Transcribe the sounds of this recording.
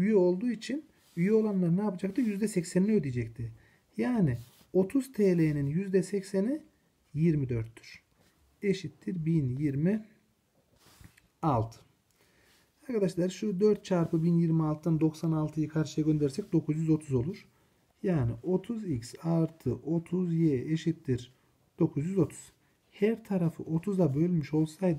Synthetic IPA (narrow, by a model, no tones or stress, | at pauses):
yjyo̞lˠd̪uːit͡ʃʰin | yjyo̞lˠanlˠaɾɯnɛjapʰad͡ʒak̚t̪ʰɯjyzd̪ɛsɛcsænlʲiød̪ijd͡ʒɛct̪ʰi | jaːni | o̞t̪ʰuz̥t̪ʰeːlʲeninjyzd̪ɛsɛcseni | jiɾmid̪øɾt̪ːy̥ɾ̥ | e̞ʃit̪ːiɾbinjiɾmi | alˠt̪ʰɯ̥ | aɾkʰad̪aʃlˠaɾʃud̪ø̞ɾt̪̚t͡ʃʰaɾpʰɯbinjiɾmialˠt̪ʰɯd̪and̪o̞ksanalˠt̪ʰɯjɯkʰaɾʃɯjaɡʲønd̪eɾsɛc̚d̪o̞kʰuzjyzo̞t̪ʰuzo̞lˠuɾ̥ | jaːniʔo̞t̪ʰuzicsaɾt̪ʰɯʔo̞t̪ʰuzjeeʃit̪ːiɾ | d̪̥o̞kʰuzjyzo̞t̪ʰu̥z̥ | hæɾt̪ʰaɾafɯ̰ʔo̞t̪ʰuzabø̞lʲmiʃo̞lˠsajd̪